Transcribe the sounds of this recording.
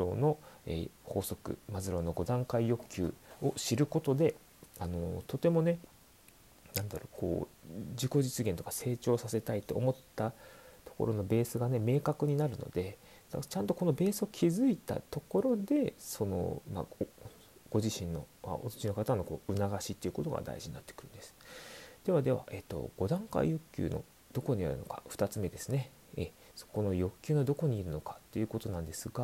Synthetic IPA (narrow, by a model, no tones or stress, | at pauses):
o̞̰no̞ḛho̞ːso̞kɯ̰mazɨɾo̞noɡo̞d̪ãŋkaijo̞kʲːɨ̰ːo̞ɕiɾɯ̟ko̞t̪o̞d̪e̞ | ano̞t̪o̞t̪e̞mo̞ne̞ | nãnd̪aɾo̞kʰo̞̰ːd͡ʑiko̞ʑit͡sɨɡent̪o̞kase̞ːt͡ɕo̞ːsase̞t̪ait̪ːe̞omo̞t̪ːat̪o̥ko̞̰ɾo̞no̞be̞ːsɨɡane̞me̞ːkakɯ̟ɲ̟inaɾɯ̟no̞̰d̪e̞ | at͡ɕãnt̪o̞ko̞no̞be̞ːsɨo̞kʲʰizɨit̪a̰t̪o̞ko̞ɾo̞d̪e̞so̞no̞̰ma̰ | ɡ̥o̞ʑiɕĩnːo̞̰a̰otɨt͡ɕino̞kat̪ano̞ko̞̰ːɯ̟naɡaɕit̪ːe̞iɯ̟ko̞t̪o̞̰ɡa̰d̪a̰ḭʑiɲinat̪ːekɯ̟ɾɯ̟nd̪̥esɨ̥d̪̥e̞βad̪e̞βa̰ʔe̞t̪ːo̰ɡ̥o̞d̪ãŋka̰ḭjɯ̟kʲːɨ̰ːno̞̰ | d̪̥o̞ko̞ɲ̟ia̰ɾɯ̟no̞kaɸɯ̟̥t̪at͡sɨme̞d̪e̞sɨne̞ | ḛ | so̥ko̞nojo̞kʲːɨːno̞d̪o̞ko̞ɲ̟iːɾɯ̟no̞kḁt̪ːeiɯ̟ko̞t̪onãnd̪e̞sɨɡa